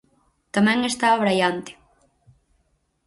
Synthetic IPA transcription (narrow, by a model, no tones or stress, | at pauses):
t̪amɛŋɛst̪aaβɾajant̪ɪ̥